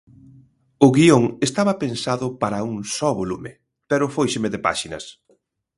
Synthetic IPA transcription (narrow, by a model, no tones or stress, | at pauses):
ʊɣioŋest̪aβɐpensaðʊpaɾɐuŋsɔβolumɪ | pɛɾʊfojʃemɪðepa̰ʃinɐ̰s